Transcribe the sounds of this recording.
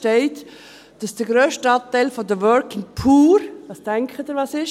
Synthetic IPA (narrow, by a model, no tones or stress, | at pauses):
tɛɪt | d̥ɑsd̥əɡɾøːʃtɑt̪æɪlfɔdəʋœɾkɪŋpʰuːɾʋɑstɛŋkχədəʋɑːsɪʃ